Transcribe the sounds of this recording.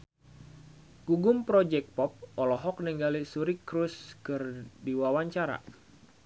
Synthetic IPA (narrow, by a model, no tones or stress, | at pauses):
ɡ̥uɡʊmpɾɔd͡ʒɛk̚pɔp̚ɔlɔɦɔk̚niŋɡalisuɾikɾuskɨrdiwawaɲt͡ʃaɾa̰